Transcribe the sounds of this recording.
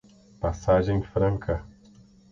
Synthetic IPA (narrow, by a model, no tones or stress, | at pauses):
pasaʒẽj̃fɾɐ̃ŋkʰɐ